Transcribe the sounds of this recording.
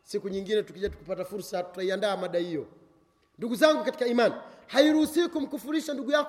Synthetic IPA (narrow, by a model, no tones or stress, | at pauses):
sikuɲiŋɡinɛtukiʄatu̥kupatafuɾsatu̥taiandaːmaɗahijɔ | nduɡuzaŋɡukati̥kaimanhaiɾuhusiikum̩kufuɾiʃanduɡujak